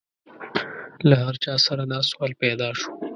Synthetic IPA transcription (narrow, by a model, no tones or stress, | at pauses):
lahaɾt͡ʃɑsaɾanɑswɑlpɛd̪ɑʃo̥